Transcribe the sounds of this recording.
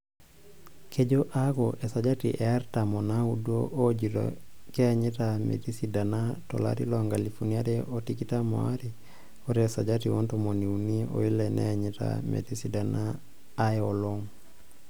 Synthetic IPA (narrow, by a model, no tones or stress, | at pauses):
kʰed͡ʒoʔaɡɔʔesad͡ʒatiʔɛaɾtamonaudoʔod͡ʒiɾo̰kɛaɲitamḛtisidanatɔ̰la̰ɾilɔŋɡalifuniaɾɛotikitamo̰a̰ɾi | oɾsad͡ʒatiwontomoniunio̰ilɛnʔɛ̰aɲita̰mḛtisidanaː | joloŋ